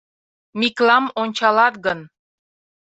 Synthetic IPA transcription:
miklɑmonʲt͡ɕɑlɑt̪ɣən

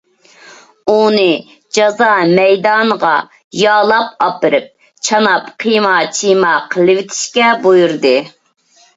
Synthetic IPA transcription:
unɨ | d͡ʒɑzɑmɛjd̪ɑnəʁɑ | jɑːlˠɑp̚ɑpɨɾɨp̚ | t͡ʃʰɑnɑpqʰijmɑt͡ʃʰimɑqʰəlˠɨwɪt̪ʰɪ̥ʃkʲɛbojuɾd̪ɨ

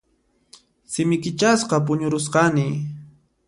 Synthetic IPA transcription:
sɪmɪkɪt͡ʃasqɑp̬ʊɲʊɾʊsqɑnɪ

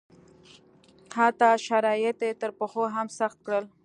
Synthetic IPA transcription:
hat̪ɑʃaɾɑjɪt̪et̪əɾpəxoɦamsaxt̪̚kɽəl

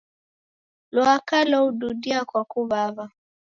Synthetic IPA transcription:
lwakalɔuɗuɗiakwakuβava

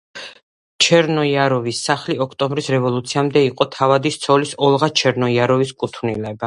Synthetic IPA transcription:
t͡ʃʰɛɾnɔiaɾɔvisːaχliɔkʰt̪ʼɔmbɾisɾɛvɔlˠut̪sʰiamd̪ɛiqʼɔt̪ʰavad̪ist̪sʰɔlisɔlˠʁat͡ʃʰɛɾnɔiaɾɔviskʼut̪ʰvnilɛba

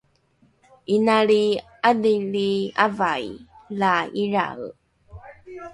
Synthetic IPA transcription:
inaɭi | adiɭiavajlaiɾa̰ɣ

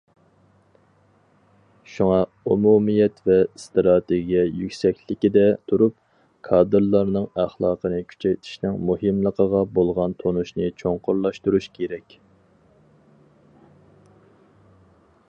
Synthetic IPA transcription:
ʃuŋɑ | umumijɛt̪vɛst̪ɾɑt̪ʰeɡʲijɛjykʲsɛkʲlɪkʲid̪ɛt̪ʰuɾup̚ | kʰɑːd̪ɨɾlˠɑɾnɨŋæχlˠɑːqənɨkʲʰy̥t͡ʃʰɛjt̪ʰɪ̥ʃnɪŋmuhɨmlˠəqʰəʁɑbolˠʁɑnt̪ʰonuʃnɨt͡ʃʰoŋqʊɾlˠɑʃt̪uɾuʃkʲʰeɾɛkʲ

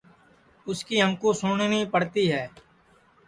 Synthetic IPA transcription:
ʊskiːə̃ŋkũːsʊɳnĩːpəɽt̪iːɦɛː

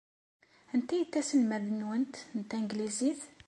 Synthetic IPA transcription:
ənt̪ːæjət̪ːæsəlmæðənwənt̪nt̪ːæŋɡliziθ

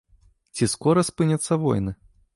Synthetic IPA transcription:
t͡sʲiskɔɾɐspɨnʲɐt̪sːɐvɔ̰jnɨ

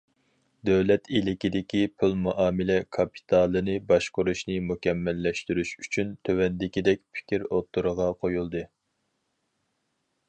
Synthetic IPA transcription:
d̪øwlɛt̪ʰilɪkʲid̪ɪkʲipʰylˠmuʔɑːmɪlɛkʰɑpʰi̥t̪ʰɑlˠɨnɨbɑʃqʊɾuʃnɨmukʲɛmːɛlːɛʃt̪yɾyʃyt͡ʃʰynt̪ʰøwɛnd̪ɪkʲid̪ɛk̚ʲpʰɪ̥kʲiɾot̪ːuɾəʁɑqʰojulˠd̪ɨ

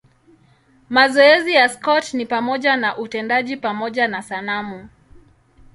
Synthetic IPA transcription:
mazɔɛzijaskɔtnipamɔʄanaʔutɛndaʄipamɔʄanasanamu

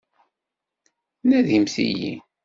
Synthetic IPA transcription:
næðimsḭjḭ

